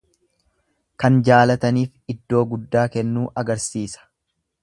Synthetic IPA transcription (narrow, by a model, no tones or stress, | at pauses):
kɐnd͡ʒaːlɐt̪ɐniːfɪd̪ːo̞ːɡʊd̪ːaːkɛnːuːʔɐɡɐɾsiːsɐ̥